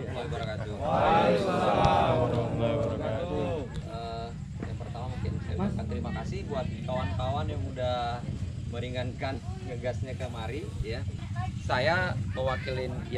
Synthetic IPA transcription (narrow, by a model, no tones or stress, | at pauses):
baiɡuɾakad͡ʒu | a | aɡuɾakad͡ʒuə | jaŋpərt̪amamukɪnsa̰ja̰akant̪əɾimakasɪhbuat̪̚kawankawanjaŋuda | məɾiŋankanɡəɡasɲakəmaɾijasajapəwakilɪn